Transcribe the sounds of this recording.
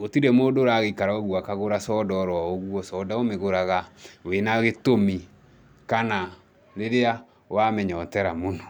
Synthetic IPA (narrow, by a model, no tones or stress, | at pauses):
otiɾɛmoːdoɾaɣeikaɾaoɣuakaɣoɾasɔːdɔːɾwaoɣuɔsɔːdaomeɣoɾaɣawenaɣetomi | kana | ɾeɾea | wamɛɲɔtɛɾamonɔ